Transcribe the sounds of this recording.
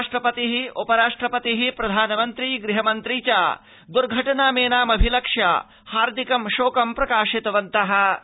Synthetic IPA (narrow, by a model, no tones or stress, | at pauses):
ʂʈɾɐpɐt̪iɦiupɐɾaːʂʈɾɐpɐt̪iɦipɾɐd̪ʱaːnɐmɐnt̪ɾiːɡɾiɦɐmɐnt̪ɾiːt͡ʃaː | d̪uɾɡʱɐʈɐnaːmeːnaːmɐbʱilɐkʂja̰ː | haːɾd̪ʱikɐmʃoːkɐmpɾɐkaːʃit̪ɐʋɐnt̪ɐɦɐ̆